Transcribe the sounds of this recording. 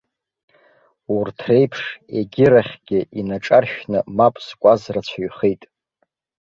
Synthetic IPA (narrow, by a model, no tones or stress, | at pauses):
urtʰre̞jpʰʂe̞ɡʲɪɾaχʲɡ̥ʲɪʔinaʈ͡ʂʼarʃᶣnɨmapʼskʷʼazrat͡ɕʷʰaɥχejtʼ